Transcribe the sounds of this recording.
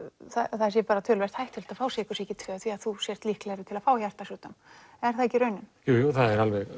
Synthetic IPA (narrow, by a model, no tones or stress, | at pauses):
θaθaðɛɾsjɛpaːɾat̪ʰœːlvɛr̥t̪hajht̪ʰɪl̥t̪afaːwsɛːkʏsɛcɪt̪ʰvɛːθviaðθusjɛr̥t̪lihklɛɾɪt̪ʰɪlaðfaːwjḁt̪asuːt̪ʏm | ɛɾ̥θaðɛcːɪɾœːɥnʏmjuːjuːθaðɛɾalvɛɣ